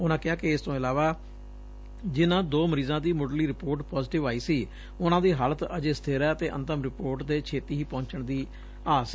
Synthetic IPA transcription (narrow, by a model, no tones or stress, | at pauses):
ʊnãːkɪaːkɪɪst̪õːɪlaːʋaː | d͡ʒɪnãːd̪oːməɾiːzãːd̪iːmoːɖliːɾɪpoːɾʈpɔːzʈɪʋaːiːsiː | ʊnãːd̪iːɦaːlət̪əd͡ʒeːsə̥t̪ʰeːɾɛːət̪eːʔə̰nt̪əmɾɪpoːɾʈd̪eːt͡ʃʰeːt̪iːɦiːpɔ̃ːɲt͡ʃəɳd̪iː | aːsː